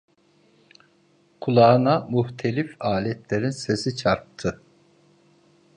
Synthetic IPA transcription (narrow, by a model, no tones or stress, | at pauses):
kʰulˠaːnamuht̪ʰe̞lʲifaːlʲɛt̪lʲe̞ɾinse̞sit͡ʃʰaɾp̚t̪ʰɯ